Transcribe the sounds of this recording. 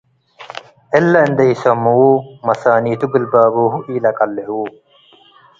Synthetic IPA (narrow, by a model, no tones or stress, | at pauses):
elːɐind̪ɐisɐmːumɐsaːniːt̪uɡilbaːboːɦuʔiːlɐkɐlːehuː